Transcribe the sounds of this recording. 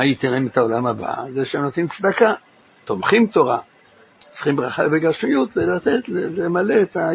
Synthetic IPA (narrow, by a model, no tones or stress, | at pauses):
ajit̪enemetao̞lamaba̰zeʃeemnot̪nimt͡sd̪aka | t̪o̞mχimt̪o̞ʁa | t͡sχimbʁaχabeɡaʃmijut̪velat̪etlelemale̞ːt̪a